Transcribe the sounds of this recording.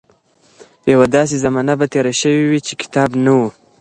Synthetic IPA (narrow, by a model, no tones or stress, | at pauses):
jawad̪ɑs̬ezamɑnabat̪eɾaʃəwiwit͡ʃekɪ̥t̪ɑbnawu